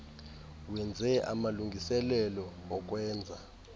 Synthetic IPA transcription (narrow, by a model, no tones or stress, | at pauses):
wɛnd͡zʱɛʔa̰maluŋɡʱisɛlɛlɔɔk̬ʼwɛːnd͡zʱa